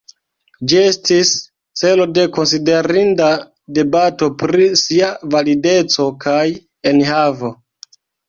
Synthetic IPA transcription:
d͡ʒie̞stis | t͡se̞lo̞de̞ko̞ns̬ide̞ɾinda | de̞bato̞pɾisiavalide̞t͡so̞kaj | e̞nhavo̞

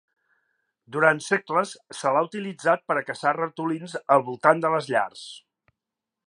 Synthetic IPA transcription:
d̪uɾant̪sekləsːəlaut̪ilid͡zat̪̚pəɾəkəsarət̪ulinzəlˠβulˠt̪and̪ələzʎa̰rs

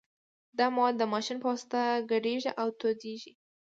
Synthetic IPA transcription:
d̪ɑmawd̪ːəmɑʃinpɑst̪aɡaɖeʒiʔawt̪od̪eʒi

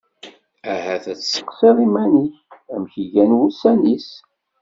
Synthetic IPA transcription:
æhæθæt͡sːə̥qsiðˤimæniçæmçiʝænwusænis

